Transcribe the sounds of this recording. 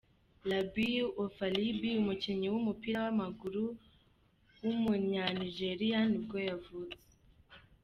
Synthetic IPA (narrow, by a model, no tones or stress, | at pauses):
labiofalibiumuciɲiwumupiɾawamaɡuɾu | wumuɲaniʒe̞ɾijanibɡo̞javuze